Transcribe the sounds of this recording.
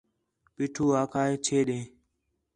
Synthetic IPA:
pɪʈʰuːaːkʰaːeːt͡ʃʰeːɗẽː

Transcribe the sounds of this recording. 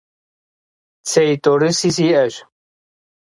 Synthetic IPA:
t͡sʰɛit̪ʼɔɾisis̬iɛɕ

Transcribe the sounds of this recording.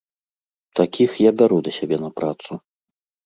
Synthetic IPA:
t̪akʲixjabʲaɾud̪ɐsʲabʲɛnɐpɾat̪su

